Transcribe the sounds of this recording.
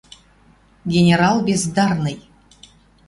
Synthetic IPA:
ɡʲenʲeɾɑlˠbʲezd̪ɑrnɨj

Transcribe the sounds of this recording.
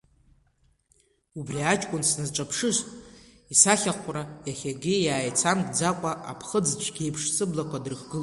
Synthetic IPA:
ubrʲiat͡ʃʼkʷʼʊnsnɨzʈ͡ʂʷʼapʰʂɨʃʷtʼ | isaχʲaqʷʼrajaχʲaɡʲɪjaːjt͡sʰamɡʼd͡zakʷʼaʔapʰχəd͡zt͡ʃʷʰʼɡʲejpʰʂsɨblakʷʰʼadrχɡɨl

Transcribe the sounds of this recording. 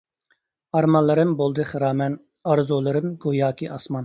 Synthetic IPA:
ɑɾmɑnlˠɨɾɨmbolˠd̪ɨχɨɾɑːmɛn | ɑɾzolˠɨɾɨmɡojɑːkʲʰiʔɑsmɑn

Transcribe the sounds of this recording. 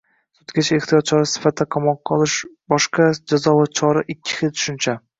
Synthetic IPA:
sʊt̪ɡʲat͡ʃʰaeχt̪ʰijɒt̪̚t͡ʃʰɒɾasɪ̥fat̪ʰːaqʰɒmɒqːɒlˠɪʃbɒʃqad͡ʒazɒvat͡ʃʰɒɾaʔɪkʲʰːɪ̥χelt̪ʰʊ̥ʃɪnt͡ʃʰa

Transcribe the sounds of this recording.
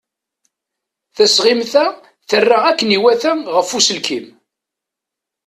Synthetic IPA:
θæsʁimθæ | θərːaækːəniwæθæmʁəfːusəlkim

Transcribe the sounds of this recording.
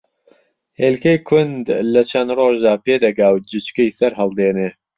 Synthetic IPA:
heːlkɐjkʰʊnd̪lɐt͡ʃʰɐnd̪roːʒd̪aːpeːd̪ɐɡaːwd͡ʒɨt͡ʃkɐjsɐɾɦɐlˠd̪eːneː

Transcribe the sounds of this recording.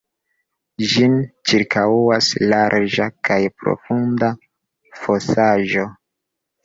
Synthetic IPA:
ʒint͡ʃiɾkʰauaslaɾʔd͡ʒakajpɾo̰funda | fosaʒo̞

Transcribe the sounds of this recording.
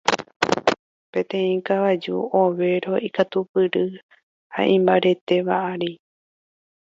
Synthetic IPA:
pẽ̞t̪ẽ̞ĩkaβad͡ʒṵoʋe̞ɾo̞ʔikat̪upɨɾɨ | ha̰ʔĩmbaɾe̞t̪e̞βa̰ʔaɾi

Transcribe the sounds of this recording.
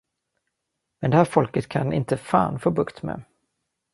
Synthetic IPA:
mɛnd̪ɛhæːɾfɔlkət̪kʰanɪ̰nt̪əfa̰ːnfoːbɵkt̪mɛ̰

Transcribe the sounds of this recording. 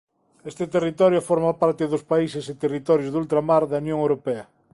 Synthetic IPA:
est̪ɪt̪erit̪ɔɾjofɔɾmapaɾt̪ɪðʊspaisɪsɪt̪erit̪ɔɾjozðult̪ɾamaɾðɐunjõŋewɾopɛɐ

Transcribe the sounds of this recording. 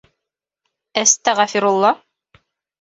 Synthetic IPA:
æst̪æʁæfiɾulˠːɑ

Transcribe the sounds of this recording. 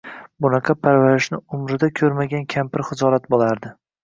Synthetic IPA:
bʊnɑqʰɑpʰaɾvaɾɪʃnɪʊmɾɪd̪akʲʰɵɾmaɡʲankʲʰampɪɾχɪzɒɾat̪̚bolaɾd̪ɪ

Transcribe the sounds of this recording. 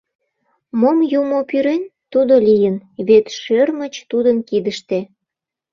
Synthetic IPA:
momjumopyɾent̪ud̪olʲijənβet̪ʃørmət͡ɕt̪ud̪ənkid̪əʃt̪e

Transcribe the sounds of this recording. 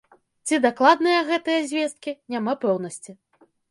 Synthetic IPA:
t͡sʲid̪aklˠad̪nɨjɐɣɛt̪ɨjɐzʲvʲest̪̚kʲinʲamapɛwnɐsʲt͡sʲi

